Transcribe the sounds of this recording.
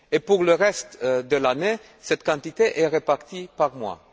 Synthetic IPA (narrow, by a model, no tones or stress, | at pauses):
epuʁləʁɛst̪d̪əlane | sɛt̪kɑ̃t̪it̪eʔɛʁepaʁt̪ipaʁmwa̰